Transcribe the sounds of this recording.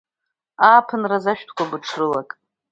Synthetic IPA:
aːpʰɨnrazaʃᶣtʰkʷʰabɨʈ͡ʂʰrɨlakʼ

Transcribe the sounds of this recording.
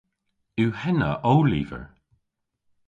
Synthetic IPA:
ʉwhɛnə̰ʔowlḭːvə̰ɹ

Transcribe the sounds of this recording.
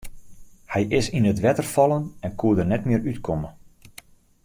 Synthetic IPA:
hɛjʔɪsinətʋɛtərfɑlˠənɛnkʰuədərnɛtmɪəɾytkʰɔmə

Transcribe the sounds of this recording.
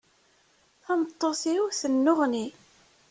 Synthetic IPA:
θæmət̪ˤːoθiwθənːʊʁni

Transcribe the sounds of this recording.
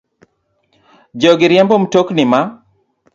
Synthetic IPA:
d͡ʒɔɡɪɾjɛmbomtoknɪma

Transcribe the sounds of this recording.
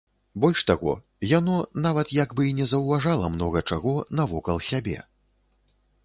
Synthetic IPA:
bɔlʲʂt̪aɣɔ̰ | janɔnavɐt̪jaɡbɨinʲɛzɐwvaʐalˠɐmnɔɣɐt͡ʂaɣɔnɐvɔkɐlˠsʲabʲɛ̰

